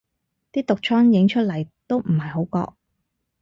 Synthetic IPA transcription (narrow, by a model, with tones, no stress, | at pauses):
t̪iː˥t̪ʊ˨k̚t͡ʃʰɔː˥ŋjɪ˨˥ŋt͡ʃʰɵ˥t̚lɐ˨˩jt̪o˥wm̩˨˩ɦɐ˨jɦo˨˥wkɔ̰ː˧k̚